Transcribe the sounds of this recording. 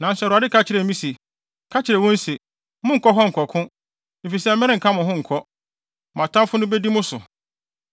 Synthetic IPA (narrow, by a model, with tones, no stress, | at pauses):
nã˨n̩˨sɛ˨ɾʊ˨a˨dɪ˦kʰa˦t͡ɕʰɪ˨ɾɛ˨˦mĩ˦sɛ˨ | kʰa˦t͡ɕʰɪ˨ɾɛ˨wɔ̃˦n̩˦se˨ | mʊ̃˦ŋ̩˨kʰɔ˦ɦɔ˦ŋ̩˨kʰɔ˨kʰʊ̃˦ | m̩˨fi˨sɛ˦m̩˦ɛ̃˦ɪ˦ŋ̩˨kʰã˦mʊ̃˨ɦʊ̃˦ŋ̩˨kʰɔ˦ | m˨ã˨tʰã˦mfʊ˦nʊ̃˦be˦di˦mʊ̃˦sʊ̰˨